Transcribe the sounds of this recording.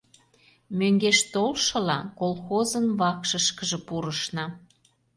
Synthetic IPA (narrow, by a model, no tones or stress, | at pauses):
møŋɡeʃt̪olʃɤ̆lɑkolxozənβɑkʃəʃkəʒĕpuɾəʃnɑ